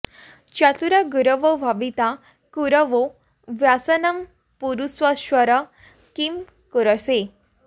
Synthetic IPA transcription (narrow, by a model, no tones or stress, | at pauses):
t͡ɕat̪uɾaɡuɾəʋoʋʱaʋit̪a | kuɾəʋo | ʋjasənəm | puɾusʋaɕʋəɾə | kim | kuɾəse